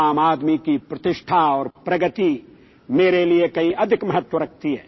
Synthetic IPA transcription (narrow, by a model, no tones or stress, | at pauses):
aːmaːd̪mikipɾɐt̪ɪʃʈʰaɔːɾpɾɐɡət̪i | meːɾeliekɐɦĩʔɐd̪ʱɪkmɐɦət̪wəɾɐk̚ʰt̪iɦɛ̰ː